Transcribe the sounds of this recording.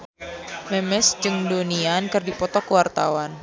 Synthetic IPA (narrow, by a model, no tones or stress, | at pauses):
mɛmɛsd͡ʒɨŋdoniankɨrdipɔt̪ɔkuwart̪a̰wan